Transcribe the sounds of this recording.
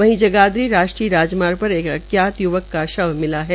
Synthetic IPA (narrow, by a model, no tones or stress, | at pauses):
ʋɐɦĩd͡ʒɐɡaːd̪ɾiɾaːʃʈɾiːɾaːd͡ʒmaːɾpɐɾeːkɐ̰kjaːt̪jʊʋəkːaʃɐʋmɪlaɦɛː